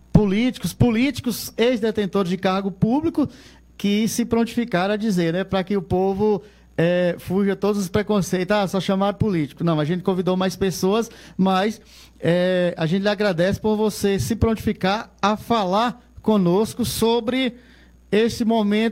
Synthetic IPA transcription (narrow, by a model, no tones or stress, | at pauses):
pulit͡ʃi̥kʊspʊlit͡ʃi̥kʊzezd̪et̪ẽt̪oɾɪzd͡ʒɪkaɾɡʊpublikʊ | kɪsɪpɾõnt͡ʃ̪i̥fikaɾɐd͡ʒizeɾnɛpɾɐkɪʊpovʊ | ɛfuʒɐt̪od̪ʊzʊspɾekõsejt̪ʊzasɔʃɐ̃maɾʊpulit͡ʃi̥kʊnɐ̃w̃aʒẽtt͡ʃ̪ɪ̥kõvid̪owmajspesoɐsmɐjs | ɛa̰ʒẽnɪlɪaɡɾad̪ɛsɪ̥poɾvosesɪpɾõnt͡ʃ̪i̥fikaɾafalaɾ | kõnoskʊsobɾɪ | esɪmõmẽnt̪